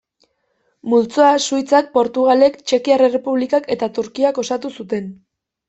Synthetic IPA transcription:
mult͡soasuit͡sak̚po̞ɾt̪uɣ̞ale̞kt͡ʃe̞kiarere̞puβlikake̞t̪at̪uɾkiako̞sat̪usut̪e̞n

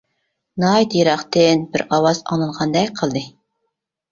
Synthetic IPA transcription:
nɑjd̪jeɾɑχt̪ɪnbɪɾɑwɑz̥ɑ̰ŋnɨɴʁɑnd̪ɛjqʰəlˠd̪ɨ

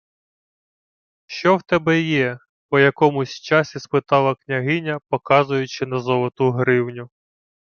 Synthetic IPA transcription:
ʃt͡ʃɔwt̪ɛbɛjɛ | pɔjɐkɔmʊsʲt͡ʃɑsʲispɪt̪ɑlˠɐknʲɐɦɪnʲɐpɔkɑzʊjʊt͡ʃɪnɐzɔlˠɔt̪uɦɾɪwnʲʊ

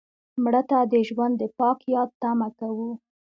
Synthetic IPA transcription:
mɽət̪ad̪əʒwand̪ːəpɑkjɑd̪̚t̪amakawu

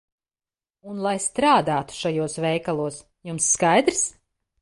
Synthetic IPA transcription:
unlˠajst̪ɾaːd̪aːt̪u̥ʃajuɔsvɛjkalˠuɔs | jumsːkajd̪ɾs

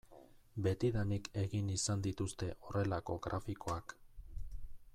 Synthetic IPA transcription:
be̞t̪iðanike̞ɣinisand̪it̪ust̪e̞ʔo̞re̞lako̞ɣɾafiko̞ak

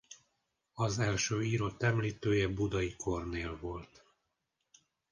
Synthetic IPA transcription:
ɒzɛlʃøːiːɾo̞t̪ːɛmliːt̪øːjɛbud̪ɒikʰo̞rneːlvo̞lt̪

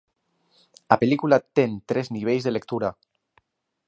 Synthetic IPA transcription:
apelikulat̪ent̪ɾezniβ̞ejzðelekt̪uɾa

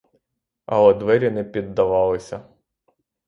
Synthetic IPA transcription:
ɐɔd̪ʋɛɾʲinɛpʲid̪ːɐʋɑlˠɪsʲɐ

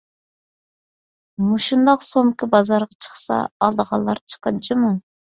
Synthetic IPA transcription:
muʃund̪ɑqsomkʰibɑzɑɾʁɑt͡ʃʰə̥χsɑ̰ːlˠd̪əʁɑlˠːɑɾt͡ʃʰə̥qɑd̪d͡ʒɨmu

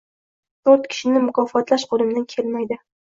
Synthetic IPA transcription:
t̪ʰoɾt̪kʲʰɪ̥ʃɪnɪmʊkʰɒfɒt̪laʃqʰolˠɪmd̪ankʲʰe̞lmajd̪ɪ

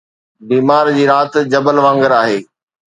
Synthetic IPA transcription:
biːmaːɾd͡ʑiːɾaːt̪d͡ʑɐbəlʋãːŋɡəɾaːɦeː

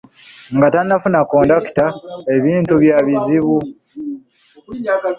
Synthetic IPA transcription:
ŋɡatanːafunakoːndaki̥tae̞βiːntuβjaβiziβu

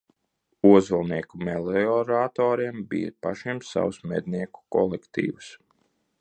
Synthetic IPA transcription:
uɔzulˠniɛkumɛlˠeɔɾat̪ɔːɾiɛmbḭjə̰paʃiɛmsa̰wusmɛd̪ʲniɛku̥kɔ̰lˠɛkt̪ḭːʋus

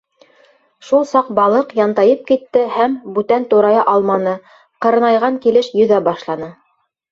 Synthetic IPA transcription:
ʃulˠsɑq̚bɑlˠɤqjɑnt̪ɑjɤp̚kit̪ːɘhæmbʉt̪ænt̪uɾɑjɑʔɑlˠmɑnɤ | qɤ̆ɾɤ̆nɑjʁɑŋkilɘʃjɵ̆ðæbɑʃlˠɑnɤ

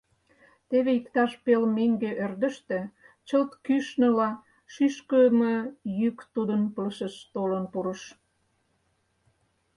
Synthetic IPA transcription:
t̪eβeikt̪ɑʃpelmeŋɡeʔørd̪ə̆ʃt̪ĕ | t͡ɕəlt̪kyʃnə̆lɑ | ʃyʃkəməjykt̪ud̪ənpəlʃəʃt̪olənpuɾə̆ʃ

